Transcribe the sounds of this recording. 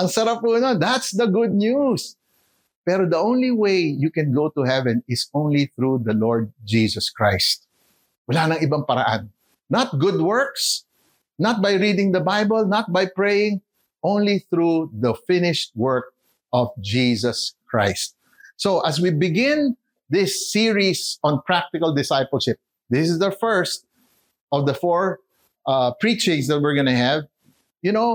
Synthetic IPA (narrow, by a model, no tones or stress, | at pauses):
ʔɐŋsɐɾapuːnod̪at̪sd̪ɐɡʊd̪̚nus | pɛɾod̪ɐʔõwnliwejjukɛ̃nɡowt̪ʊhɛvɛ̃nɪsõʊ̃nliθɹud̪ɐlɔɹd̪̚d͡ʒisɐskɹajst̪̚ | wɐlaːnɐŋɪbaŋpɐɾɐ̰ʔã̰nː | ɐt̪̚ɡʊd̪̚wɜɹks | nɐt̪̚bajɹid̪ɪ̃ŋd̪ɐbajbəlnɐt̪̚bajpɹejɪ̃ŋ | ʔõw̃nliθɹuðɐfɪ̃nɪʃt̪̚wɜɹk̚ | ʔɔvd͡ʒisɐskɹa̰ɪst̪̚ | soʔɐs̬wibɪɡɪ̃n | d̪ɪsːiɹisɔ̃npɹak̚t̪ɪkɐld̪ɪsajpəlʃɪp̚ | d̪ɪsɪsd̪ɐfɛɹst̪̚ | ʔɔvd̪ɐfɔɹ | ʔapɹit͡ʃɪ̃ŋs̬d̪ɐt̪̚wɪɹɡɐnɐɦɛv | jʊno